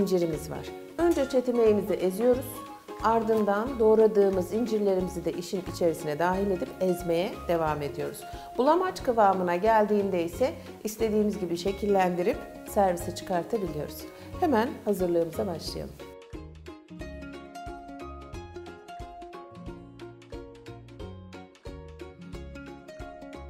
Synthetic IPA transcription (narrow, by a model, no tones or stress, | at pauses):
ind͡ʒiɾimizva̰ɾ̥ | ø̞nd͡ʒɛt͡ʃʰe̞t̪ʰime̞jimizɛʔezijo̞ɾuz̥ | aɾd̪ɯnd̪and̪o̞ːɾad̪ɯːmɯzind͡ʒiɾlʲe̞ɾimizid̪ɛʔiʃinit͡ʃʰe̞ɾisinɛd̪aːɦilʲe̞d̪ipɛzme̞jɛd̪̥e̞vaːme̞d̪ijo̞ɾuz̥bulˠamat͡ʃkavaːmɯnaɟælʲd̪iːnd̪ɛisɛ | ist̪ʰe̞d̪iːmizɟibiʃe̞cʰilʲːænd̪iɾip | sæɾvisɛt͡ʃʰɯ̥kʰaɾt̪ʰabilʲijo̞̰ɾuz̥ | hemænhazɯɾlˠɯːmɯzabaʃlˠɯja̰lˠɯm